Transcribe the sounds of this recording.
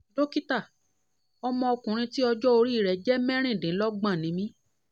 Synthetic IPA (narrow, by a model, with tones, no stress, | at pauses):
do˦ki˦ta˦˨ | ɔ˧mɔ̃˧ɔ˧kũ˨ɾ̃ĩ˧ti˦ɔ˧d͡ʒɔ˦o˧ɾi˦˨ɾɛ˨d͡ʒɛ˦mɛ̃˦ɾ̃ĩ˦˨dĩ˨˦lɔ˦ɡ͡bã˦˨nĩ˨˦mĩ˦